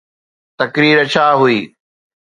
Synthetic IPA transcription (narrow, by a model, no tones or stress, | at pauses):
t̪ɐkɾiːɾət͡ɕʰaːɦuiː